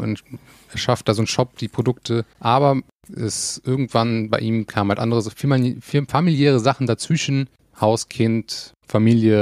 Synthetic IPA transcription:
ʔʊ̰nt | ɛɐʃaft̚d̥aːzoːnʃɔp̚d̥iːpʁ̥odʊk̚tʰəʔaːbɐ | ʔɛsʔɪɐɡŋ̩tv̥anbaɪʔiːmkʰaːmənhaltʔandəʁəzfmifamiljɛːʁ̞əzaχn̩dat͡sv̥ɪʃn̩ | haʊskʰɪnt | famiːljə

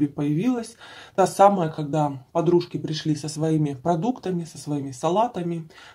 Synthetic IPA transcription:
bʲɪpəjɪvʲilˠəsʲt̪asaməjəkɐɡ̚d̪apɐd̪ɾuʂkʲɪpɾʲɪʂlʲisəsvɐimʲɪpɾɐd̪ukt̪əmʲɪsəsvɐimʲɪsɐlˠat̪əmʲɪ

